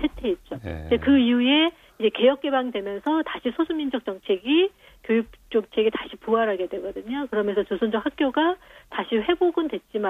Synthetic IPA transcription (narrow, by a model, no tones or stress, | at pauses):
t͡ɕʰetʰe̞ːt̚t͡ɕ͈od͡ʑekɯiue̞ | id͡ʑe̞ke̞jʌk̚k͈e̞baŋidwemjʌnsʰʌtaɕʰisʰosʰumːind͡ʑʌk̚t͡ɕ͈ʌŋt͡ɕʰe̞ɡi | kjojuk̚t͡ɕ͈ok̚t͡ɕʰeɡetaɕʰipuaɾɦaɡe̞dweɡʌdɯɲokɯɾʌmjʌnsʰʌt͡ɕosʰond͡ʑʌkhak̚k͈joɡataɕʰiɸe̞boɡɯndwe̞t̚t͡ɕ͈ima